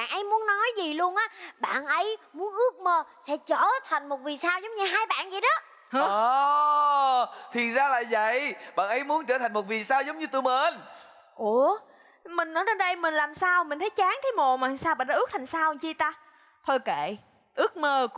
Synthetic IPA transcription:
ɓaː˧˨nʔə˨˦jmu˨˦ənːɔ˨˦jzi˨˩lu˧ənʔaː˨˦ɓa̰ː˧˨nʔə˨˦jmu˨˦ənʔɨ˦˥ək̚məː˧sɛ̰˧˥t͡ɕəː˧˩t̪ʰa˨˩jŋ̟mo˨˩t̚vi˨˩saː˧wzə˨˦wŋ͡mɲɨ˧ɦaː˧jɓa̰ː˧˨nzi˨˩ɗɔ˨˦ | h | t̪ʰi˨˩nzaː˧la̰ː˨˩və̰˧˨jɓa̰ː˧˨nʔə˨˦jmu˨˦nt͡ɕəː˧˩t̪ʰa˨˩ŋ̟mo˨˩vi˨˩saː˧wzə˨˦wŋ͡mɲɨ˧t̪u˧˩məː˧˨˦n | ʔo˨˧˩ | mï˨˩ŋ̟nɔ˨˦jt͡ɕe˧nɗə˧jmï˨˩ŋ̟laː˨˩msaː˧wmi̟˨˩t̪ʰjt͡ɕaː˨˦ŋt̪ʰə˨˦jmo˨˧˩maː˨˩˨saː˧wɓa̰ː˧˨nɗaː˧ʔk̚t̪ʰŋ̟saː˧wnt͡ɕi˧t̪aː˧ | t̪ʰo˧jkḛ˧˨ | ʔɨ˦˥ək̚məː˧

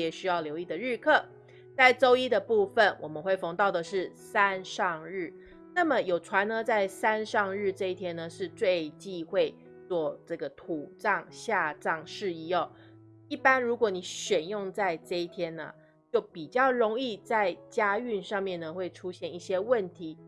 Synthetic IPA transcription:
ɛ˨˩ɕy˥jɑ˥˩ʊljo˧˥ʊi˥˩d̪ə˩ɻɻ̩˥˧kʰɤ˥˩ | t͡sa˥˩ɪʈ͡ʂo˥ʊi˥d̪ə˨pu˥˧fə˨˩nwɔ˨˩mə˦nxwe˥˩ɪfɑ˧˥ŋt̪ɑ˥˩ʊd̪ə˩ʂɻ̩˥˩sa˦˥nʂɑ˥˧ŋɻ̩˥˩ | na˥˩mə˨jo˨˩ʊʈ͡ʂʰwa˧˥nə˧t͡sa˥˩ɪsa˥nʂɑ˥˧ŋɻɻ̩˥˧ʈ͡ʂɤ˥˧i˥˩t̪ʰjɛ˥nə˨ʂɻ̩˥˧t͡swe˥˧ɪt͡ɕi˥˧xwe˥˧ɪ | t͡swɔ˥˧ʈ͡ʂɤ˥˩ɡə˩t̪ʰu˨˩ʈ͡ʂɑ˥˧ŋɕja˥˧ʈ͡ʂɑ˥˧ŋʂɻ̩˥˧i˥ɔ˨˩ | i˥˩pa˥nɻu˧˥kwɔ˨˩˦ni˨˥ɕɥɛ˨˩njʊ˥˧ŋt͡sa˥˧ɪʈ͡ʂɤ˥˧i˥˩t̪ʰjɛ˥nnə̰˩ | t͡ɕjo˥˩ʊpi˨˩t͡ɕjɑ˥˩ʊɻʊ˧˥ŋi˥˧t͡sa˥˩ɪt͡ɕja˥y˥˧nʂɑ˥˧ŋmjɛ˥˨˩nːə˩xwe˥˩ɪʈ͡ʂʰu˥ɕjɛ˥˧˦ni˥˩ɕjɛ˥wə˥˨nt̪ʰi˨˥˦

